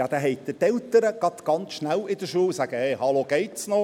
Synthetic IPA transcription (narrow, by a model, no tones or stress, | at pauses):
jɑd̥̪æɦɛɪt̚d̪ətɛlt̪əɾəɡ̥ɑt̪ɡ̥ɑnt͡sʃnælɪd̥̪əʃuːlsæɡ̥əheɪhɑloɡ̥eɪtsno